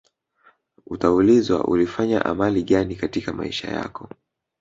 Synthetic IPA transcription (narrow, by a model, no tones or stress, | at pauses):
utaulizwa̰ʔṵlifaɲa̰ʔamaliɠanikatikamaḭʃa̰ja̰kɔ